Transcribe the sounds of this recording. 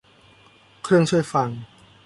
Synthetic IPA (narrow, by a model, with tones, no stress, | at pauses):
kʰɾɯ˥˩əŋt͡ɕʰu˥˩əjfa˧ŋ